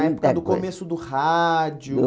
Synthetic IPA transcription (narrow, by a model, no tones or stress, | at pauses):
ɛoɐd̪ʊkomesʊd̪ʊhad͡ʒʊ